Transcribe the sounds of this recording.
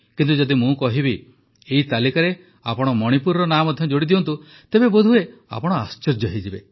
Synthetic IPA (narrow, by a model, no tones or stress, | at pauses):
kint̪ud͡ʒɔd̪imũkɔɦibi | eit̪alikaɾe | a̰pɔɽ̃ɔmɔɽ̃ipuɾɾɔnamɔd̪ʱjɔd͡ʒoɽid̪ibɔnt̪u | t̪ebebod̪ʱuea̰pɔɽ̃ɔa̰st͡ʃɔɾd͡ʒɔɦid͡ʒibe